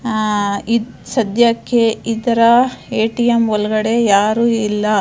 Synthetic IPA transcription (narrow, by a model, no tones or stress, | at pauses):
i | sɐd̪ʱjɐkːeid̪ɐɾɐeːʈijemɔlɡɐɽe̞jaːɾuːilːɐ